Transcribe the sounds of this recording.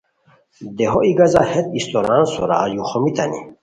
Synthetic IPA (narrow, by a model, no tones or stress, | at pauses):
d̪ɛɦɔʔiɡazahɛt̪̚ist̪ɔɾansɔɾa̰ːjuχɔmit̪ʰa̰nḭ